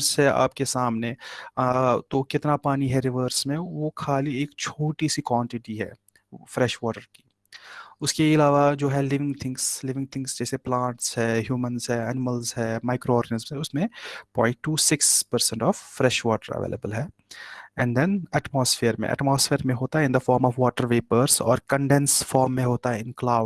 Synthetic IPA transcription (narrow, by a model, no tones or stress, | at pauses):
sɦɛa̰ːp̚kesaːmne | t̪okɪt̪napaːniɦɛɾɪʋəɾsmẽʋokʰaːlieːkt͡ʃʰoːʈisikwɔ̃ːɳʈɪʈiɦɛ̰ː | fɾɛʃʋɔːʈəɾki̥ː | ʊskeɪlaːʋad͡ʒoːɦɛlɪʋɪ̃ŋɡt̪ʰɪ̃ŋɡslɪʋɪ̃ŋɡ̚t̪ʰɪ̃ŋɡsd͡ʒɛːseplãːɳʈsɦɛːɦjuːmə̃nzɦɛ̃ːɛnɪməlzɦɛːmaːɪkɾoɔːɾɡənɪzmsɦɛʊsmẽpɔ̰̃ːɪ̃ɳʈːuːsɪkspəɾsɛ̃ɳʈɔːfːɾɛʃʋɔːʈəɾə̰ʋḛːlə̰bəlɦɛː | ɛ̃ːɳɖd̪ɛnɛːʈmɔːsfeːɾmḛ̃ʔɛ̰ʈmɔːsfeːɾmẽɦoːt̪aɦɛɪ̃nd̪ɐfɔːɾmɔːfʋɔːʈəɾʋeːpəɾsɔ̰ːɾkə̃ɳɖɛnsfɔːɾmːẽɦoːt̪aɦɛɪ̃nklaːʊ